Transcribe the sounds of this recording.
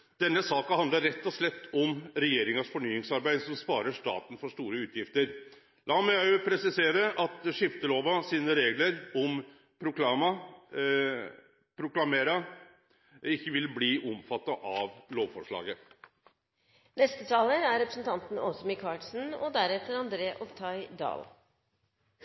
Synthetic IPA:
d̪̥ɛnːəsɑːkɑhɑnd̪əɾːɛt̪ːɔslɛt̪ːɔmɾɛjeːɾɪŋɑsfɔɳyːɪŋsɑɾbæɪd̪sɔmspɑːɾəʂʈɑ̰ːt̪n̩fɔʂʈ̪uːɾəʉːt̪ʰjɪft̪əɾ | lɑːmɛæʊpʰɾɛsɪseːɾəʔɑt̪ʂɪft̪əloːʋɑsiːnəɾeːɡləɾɔm | pʰɾʊklɑmɑ | pʰɾʊklɑmeːɾɑ | ɪkːəʋɪlbliːʔɔmfɑt̪ːɑʔɑʋloːʋfɔʂɭɑ̰ːɡə | nɛst̪ət̪ʰɑːləɾæɾɾɛpɾə̥sn̩t̪ʰɑnt̪n̩ɔsɔmɪkʰɑːʈsn̩ɔd̪æɾɛt̪ːəɾɑnd̪ɾeːʔɔʋt̪ʰɑɪd̪ɑ̰ːl

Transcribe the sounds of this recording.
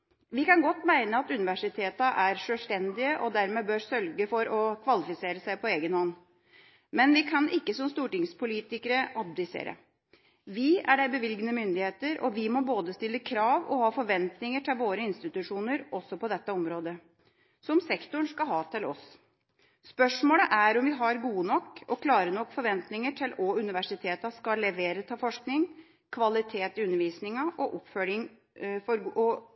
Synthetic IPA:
ʋɪkɑnɡɔt̪ːmæɪnəɑt̪ʉnɪʋæʂɪt̪ʰeːt̪əʔæɾʂøːlʂt̪ɛnd̪ɪəʔɔd̪æɾmeːbøːɾsœlɡəfɔɾɔkʰʋɑlɪfɪseːɾəsæɪpʰɔeːɡənhɔnː | mɛnʋɪkʰɑnʔɪkːəsɔmst̪uːʈɪŋspʊliːt̪ɪkəɾəʔɑb̚d̪ɪsḛːɾə̰ | ʋɪæɖæbəʋɪlɡnəmʏnd̪ɪheːt̪əɾʔɔ̰ʋɪmɔboːd̪əst̪ɪlːəkʰɾɑːʋɔ̰hɑːfɔɾʋɛnt̪nɪŋəʈʰɪlʋoːɾəɪnst̪ɪt̪ʉʂuːnəɾʔɔsːɔpɔd̪ɛt̪ːəɔmɾoːd̪ə | sɔmsɛkt̪ʊɳʂkɑɦɑːt̪ʰɪlɔs | spœʂmoːləʔæɾɔmʋɪɦɑɾɡuːənɔkːɔkʰlɑːɾənɔkːfɔɾʋɛnt̪nɪŋəʈʰɪlɔʉnɪʋæʂɪt̪ʰeːt̪ɑskɑlːɛʋeːɾət̪ʰɑːfɔʂknɪŋ | kʰʋɑlɪt̪ʰeːt̪ɪʉnːəɾʋiːsnɪŋɑʔɔʔɔpfœɭɪŋ | fɔɾɔ

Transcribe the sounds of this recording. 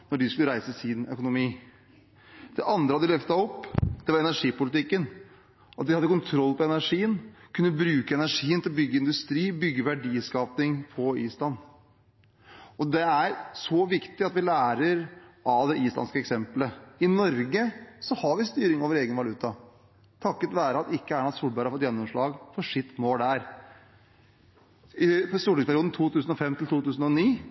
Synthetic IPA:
nɔɖɪskʉləɾæɪsəsɪnœ̰kʊnʊmiː | d̪̥ɛʔɑnd̪ɾəhɑd̪ɪlœft̪ɑɔpːd̪̥ɛʋɑɾɛnæʂiːpʊlɪt̪ɪkːən | ɑt̪̚ʋɪhɑd̪ːəkʊnt̪ʰɾɔlːpʰɔɛnæʂiːənkʰʉnːəbɾʉːkəɛnæʂiːənt̪ɪlɔbʏɡːəɪnd̪ʉst̪ɾiːbʏɡːəʋæɖiːskɑːpnɪŋpʰɔḭːslɑnː | ɔd̪ɛæɾsɔʋɪkt̪ɪɑt̪ʋɪlæːɾəɾʔɑʋd̪ɛʔiːsɑ̰nskəɛksɛmpləɪnɔɾɡəsɔhɑɾʋɪst̪yːɾɪŋoːʋəɾeːɡənʋɑlʉːt̪ɑ | t̪ʰɑkːət̪ʋæːɾəɑt̪ɪkːəæːɳɑd̪suːlbæɾhɑɾfɔt̪jɛnːɔmʂɭɑːɡfɔʂɪt̪ːmoːldæɾ | ɪst̪uːɖ̪ɪŋspʰæɾɪuːd̪n̩t̪ʰuːt̪ʰʉːsən̩ɔfɛmːt̪ɪlt̪uːt̪ʉːsən̩ɔniː

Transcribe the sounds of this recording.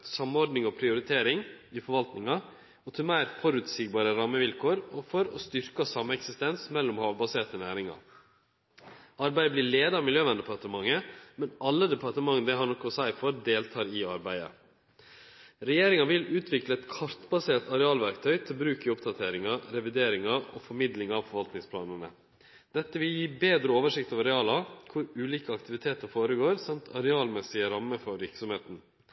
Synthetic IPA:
sɑmːɔɾɖnɪŋɔpʰɾɪʊɾɪt̪ʰeːɾɪŋɪfɔɾʋɑlt̪nɪŋɑ | ɔt̪ʰɪlmeːɾfɔɾʉːt̪siːɡ̚bɑːɾəɾɑməʋɪlkʰoːɾɔfɔɾɔst̪ʏɾkɑsɑmːəɛksɪst̪ɛnsmɛlːʊmhɑːʋbɑseːʈ̪ɔnæːɾɪŋɑ̰ | ɑɾbæɪəbliːɭeːd̪ɑɑmɪljøːʋɛnd̪ɛpʰɑʈəmɑŋːəmɛnʔɑlːəd̪ɛpʰɑʈ̪əmɑŋːnəd̪ɛɦhɑɾɳɔkːɔsæɪfɔɾd̪eːlt̪ʰɑːɾɪɑɾbæɪə̰ | ɾɛjeːɾɪŋɑʋɪlʉːt̪ʰʋɪkləɛt̪kʰɑɾt̪bɑseːʈ̪ɑɾɛɑːlʋæɾkt̪ʰœʏt̪ʰɪlbɾʉːkɪʊpd̪ɑt̪ʰeːɾɪŋɑɾɛʋɪd̪eːɾɪŋɑɔfɔɾmɪd̪lɪŋɑʋfɔɾʋɑlt̪nɪŋspʰlɑːnənə̰ | d̪̥ɛt̪ːəʋɪljiːbeːd̪ɾəoːʋəʂɪkt̪ɑʋɑɾɛɑːlɑkʰʊɾʉːliːkəɑkt̪ɪʋɪt̪ʰeːt̪əɾfoːɾəɡoːɾsɑmt̪ʰɑɾɛɑːlmɛsɪəɾɑmːəfɔɾʋɪɾksɔmheːt̪n̩

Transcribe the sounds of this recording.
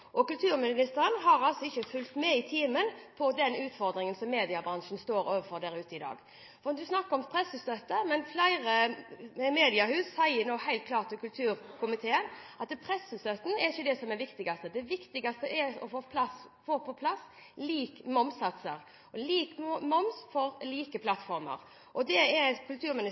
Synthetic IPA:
ʔɔkʉlt̪ʰʉːɾmɪnɪst̪əɾənɦɑɾɑlsɔɪçːəfʉlt̪mɛɪt̪ʰiːmənpʰɔd̪ɛnʉːt̪fɔɾd̪ɾɪŋənsɔmːeːd̪ɪɑbɾɑnʂn̩st̪oːɾoːʋəfɔɾd̪æɾʉːt̪əɪd̪ɑ̰ːɡ | fɔɾɛnd̪ʉsnɑkːəɾɔmpʰɾɛsːəst̪œt̪ːəmɛnflæɪɾə | meːd̪ɪɑhʉːsːæɪənoːhæɪlt̪kʰlɑːt̪ɪkʉlt̪ʰʉːɾkʰʊmɪt̪ʰeːənʔɑt̪̚d̪ɛpʰɾɛsːəst̪œt̪ːn̩ɛɾɪçːəd̪ɛsɔmɛʋɪkt̪ɪɡɑst̪əd̪ɛʋɪkt̪ɪɡɑst̪əʔɛɾɔ̰foːpʰlɑsfoːpʰɔpʰlɑs | liːkmɔmsɑt̪səɾ | ɔliːkmɔmsfɔɾliːkəpʰlɑt̪fɔɾmə̰ɾ | ʔɔd̪ɛɛkʰʉlt̪ʰʉːɾmɪnɪ

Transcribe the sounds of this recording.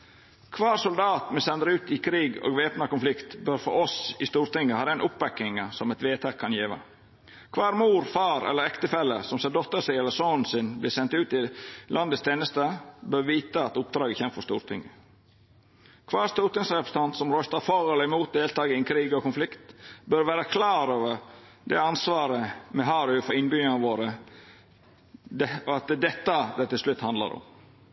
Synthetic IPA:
kʰʋɑːsʊld̪ɑːt̪mɛsɛnd̪əɾʉːt̪ɪkʰɾiːɡo̰ːɡʋeːpnɑkʊnflɪkt̪bœɾfɔ̰ɾɔsɪst̪uːɾt̪ɪŋːəhɑːd̪ɛnʔʊpʋɛkːɪŋɑsɔmɛt̪ʋeːt̪ʰɛkʰːɑnjeːʋɑ̰ | kʰʋɑːɾmuːɾfɑːɾɛ̰ləɾɛkt̪əfɛlːəsɔmsɛd̪ɔt̪ːəʂɪɛlːəsonn̩sɪnbliːsɛnt̪ʉːt̪ɪlʔɑnd̪əst̪ʰeːnəst̪əbœɾʋiːt̪əɑt̪ʊp̚d̪ɾɑːɡəçɛmfɔst̪ṵːɾt̪ʰɪ̰ŋːə | kʰʋɑːst̪uːɾt̪ɪŋsɾɛpɾəsə̥t̪ʰɑnt̪sɔmɾœst̪ɑɾfɔɾɛləɪmuːt̪̚d̪eːlt̪ɑːɡəɪnkʰɾiːɡɔkʊnflɪkt̪bœɾʋæːɾəkʰlɑːɾoːʋəɾ | d̪ɛɑnsʋɑːɾəmɛɦɑːɾʉfɔɾɪnbyːənəʋoːɾə | ɑt̪d̪ɛt̪ːɑd̪æt̪ɪlslʉt̪ːhɑnd̪lɑ̰ɾɔ̰m

